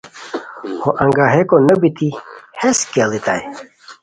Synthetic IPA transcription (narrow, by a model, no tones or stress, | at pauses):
hoʔɐŋɡaɦekonəbit̪ʰiheskalit̪aj